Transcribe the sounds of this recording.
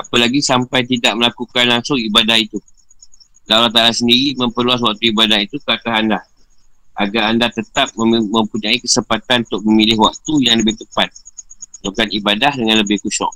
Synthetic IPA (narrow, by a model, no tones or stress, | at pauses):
apəlaɡisampajt̪idaʔ̚məlakukanlaŋsʊŋibadahit̪u | lalat̪̬aɾasəndiɾiməmpərluas̬wak̚t̪uibadahit̪ukəat̪aɦanda | ʔaɡaandat̪ət̪ap̚məmə̃mpuɲaikəsəmpat̪anunt̪ʊk̚mə̃milɪhwak̚t̪ujaŋləbɪht̪əpat̪̚dukanibadahdəŋãnləbɪhkuʃɔ̰ʔ̚